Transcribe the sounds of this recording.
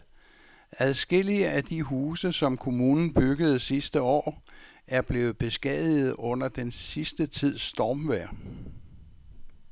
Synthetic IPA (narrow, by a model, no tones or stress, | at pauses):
æðˠsɡ̥e̝l̰iəʔæd̥iɦuːsəsɒ̽mkʰo̝muːnn̩b̥yɡ̥əð̞̩ˠsisd̥əɒ̰ː | ʔæɐb̥le̝ːð̩ˠb̥e̝sɡ̥ɛðˠið̞̩ˠɔ̽n̰ɐd̥ensisd̥ət͡sʰið̰ˠsːd̥ɒːmʋæɐ̰